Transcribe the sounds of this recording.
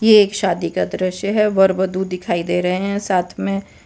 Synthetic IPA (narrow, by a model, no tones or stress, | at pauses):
jeeːkʃaːd̪ikad̪ɾəʃjəɦɛʋɐɾʋəd̪uːɪkʰaːid̪eːɾɐɦeɦɛ̃saːt̪ʰmẽ